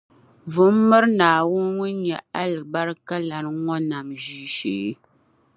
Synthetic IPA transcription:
vʊ˦mː˦ɨ˦ɾnaː˨wʊ˦nŋʊ˦nɲɛ˨a˦lɨ˨ba˦ɾka˦la˨ɾŋɔ˦na˨mʒiː˦ʃḛ˨˦

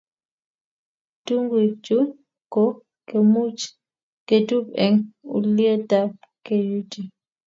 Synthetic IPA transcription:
tu˦ŋɡi˨t͡ʃu˦ | kɔ˦ | ke˨mu˦t͡ʃ | ke˨tu˦pɛ˨ŋṵ˨li˦e˦ta˦ | ke˨ju˦ti˨

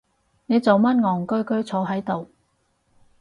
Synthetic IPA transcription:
ne˨˧jt͡so˨wmɐ˥nŋɔː˨˩ŋkɵ˥ɥkɵ˥ɥt͡sʰɔː˨˧˥ɦɐ˨˥jt̪o˨w

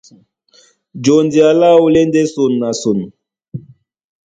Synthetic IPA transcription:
d͡ʒo˨ndi˨a˨la˦wu˦le˦nde˦su˨nːa˨su˨n

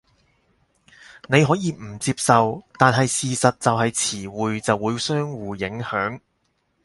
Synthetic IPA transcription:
ne˨˧jɦɔː˨˥jiː˧m̩˨˩t͡siː˧p̚sɐ˨wt̪aː˨nɦɐ˨jsiː˨sɐ˨t̚t͡sɐ˨wɦɐ˨jt͡sʰiː˨˩wuː˨jt͡sɐ˨wːuː˨˧jsœː˥ŋwuː˨jɪ˨˥ŋhœː˨˥ŋ

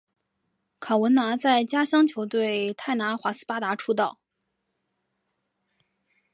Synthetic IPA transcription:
kʰa˨˩ʊwə˧˥na˧˥t͡sa˥˩ɪt͡ɕja˥ɕjɑ˥ŋt͡ɕʰjo˧˥ʊt̪we˥˩ɪt̪ʰa˥˩ɪna˧˥xwa˧˥sɹ̩̥˥˩pa˥t̪a˧˥ʈ͡ʂʰu˥t̪̬ɑ˥˩ʊ

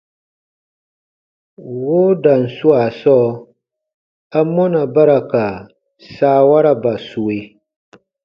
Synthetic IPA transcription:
wo˦da˨n˨su˦a˨sɔ˦ | a˦mɔ˦na˨ba˦ɾa˨ka˨ | saː˦wa˦ɾa˨ba˨su˨we˦

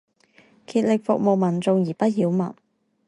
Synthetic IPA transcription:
kʰiː˧t̚lɪ˨k̚fʊ̰˨k̚mo˨˩wmɐ˨˩nt͡sʊ˨˧ŋjiː˨˩pɐ˥t̚jiː˨˧wmɐ˨˩n

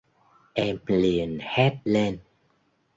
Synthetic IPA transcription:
ʔɛ˧mli˨˩ənhɛ˦˥t̚le˧n

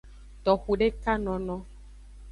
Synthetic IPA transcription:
t̪ɔ˨xu˨ɖe˦ka˦nɔ̃˨nɔ̃˦

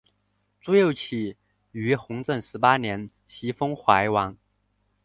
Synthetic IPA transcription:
t͡su˥jo˥˧˩ʊt͡ɕʰi˨˩ | y˧˥xʊ˧˥ŋt͡sə˥˩nʂɻ̩˧˥pa˥njɛ˧˥n | ɕi˧˥fɤ˥ŋxwa˧˥ɪwɑ˧˥ŋ

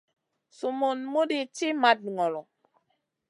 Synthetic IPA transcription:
so˨mo˨nmo˦di˨t͡ʃi˦ma˨d̚ŋɔ˨lɔ˨

